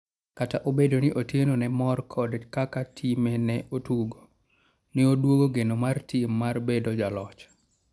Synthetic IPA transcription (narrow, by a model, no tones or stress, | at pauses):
kataʔobedonɪʔotjenonɛmɔrkʰɔdkakatʰimenɛʔotuɡo | nɪodwoɡoɡenomartʰimːarbedod͡ʒalɔt͡ʃ